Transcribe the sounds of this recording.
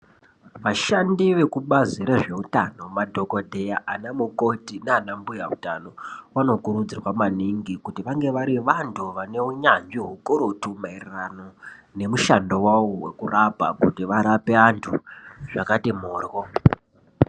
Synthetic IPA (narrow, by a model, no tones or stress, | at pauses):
ʋaʃandiʋe̞kuɓaziɾeʐe̞utano̞madʱo̞ko̞dʱe̞jaʔanamukotinaaːnambujauta̰no̞wano̞kuɾud͡zirwamaniŋɡikutiʋaŋɡe̞ʋaɾiʋantʰuʋane̞uɲand͡ʒiɦukuɾotumairerano̞ne̞muʃando̞wawowe̞̰kurapa̰kutiʋaɾape̞antʰuʐakatimoːrwo